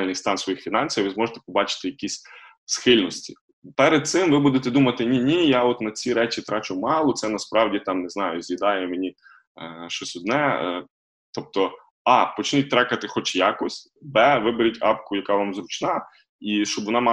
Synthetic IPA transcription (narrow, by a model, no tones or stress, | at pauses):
lʲnɨjst̪ɑnsʋɔjixfʲinɑnʲsʲiwʋɪzmɔʒet̪ɛ̥pɔbɑt͡ʃɪ̥t̪ɪjɐkʲisʲ | sxɪlʲnɔsʲtʲḭ | pɛɾed̪̚sɪmʋɪbud̪et̪ɛd̪umɐt̪ɪnʲinʲijaɔt̪nɐt͡sʲiɾɛt͡ʃit̪ɾɑt͡ʃʊmɑlˠɔt̪sɛnɐspɾɑwdʲit̪ɑmneznɑjʊzʲjid̪ɑjɛmenʲi | ʃt͡ʃɔsʲʊd̪nɛ | t̪ɔp̚t̪ɔ | ɑpɔt͡ʃɪnʲit̚ʲt̪ɾɑkɐt̪ɪxɔt͡ʃjakɔsʲ | bɛʋɪbeɾʲitʲɑ̰pkʊjɐkɑʋɑmzɾʊt͡ʃnɑ | iʃt͡ʃɔbʋɔnɑmɑ